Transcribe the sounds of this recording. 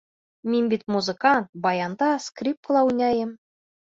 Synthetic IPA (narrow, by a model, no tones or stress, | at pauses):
mʲenʲbʲit̪ʲmuzɨ̆kɑnt̪̚bɑjɑnd̪ɑskrʲip̚lˠɑunʲɑjɘ̆m